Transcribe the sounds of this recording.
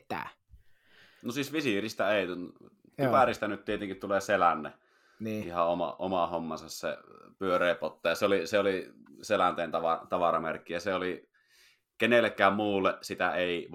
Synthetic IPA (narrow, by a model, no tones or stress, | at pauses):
t̪æ̰ | nosiːsʋisirist̪æeˑit̪ | t̪ypærist̪ænyt̪t̪iet̪eŋkit̪t̪uleːselænːe | niːihɑomɑ̰ʔomɑhomːɑnsɑssḛpyørˑeːpot̪ːɑjɑseoliseoliselænt̪eːnt̪ɑʋɑt̪ɑʋɑrɑmærkːijæseoli | kenelːekːˑæːmmuːlːesit̪æeˑiʋ